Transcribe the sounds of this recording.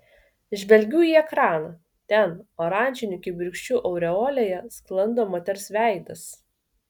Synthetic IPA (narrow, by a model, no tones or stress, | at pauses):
ʒʲʋʲɛlʲɡʲuːiːɛkɾɑːnɐ | t̪ʲɛnoːɾɑːˑnʲˑd͡ʒʲɪnʲʊkʲɪbʲɪɾʲkʃʲt͡ʃʲuːʔɐʊɾʲɛoːlʲejɛsklˠɐnd̪oːmoːt̪ʲɛɾsʲʋʲæˑɪd̪ɐs